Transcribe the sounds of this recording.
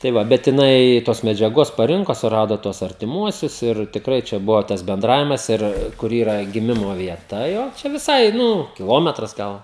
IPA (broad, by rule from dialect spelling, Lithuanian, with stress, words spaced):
tɐɪ ˈʋɐ bʲɛt jɪˈnɐɪ toːs mʲɛd͡ʒʲɛˈɡoːs pɐˈrʲɪŋkoː sʊˈrɑːdoː tuɔs ɐrʲtʲɪˈmuɔsʲʊs ɪr tʲɪkˈrɐɪ t͡ʃʲɛ ˈbʊʋoː tɐs bʲɛnˈdrɑːʋʲɪmɐs ˈɪr kʊr ˈiːrɐ ɡʲɪˈmʲɪmoː ʋʲiɛˈtɐ jɛʊ ˈt͡ʃʲɛ ʋʲɪˈsɐɪ ˈnʊ kʲɪˈlˠoːmʲɛtrɐs ˈɡɐlˠ